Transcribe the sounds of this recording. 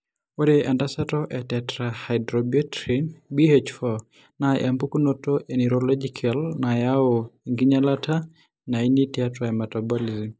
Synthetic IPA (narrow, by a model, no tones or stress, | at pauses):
oɾeʔandasatɔʔɛtɛtɾahajdɾobiɔtɾinbiet͡ʃfɔ | naʔa̰mbukunotoʔeniɾolɔd͡ʒikʰalnajaoiŋɡiɲalatʰa | nainitiatɔɛmatabolizim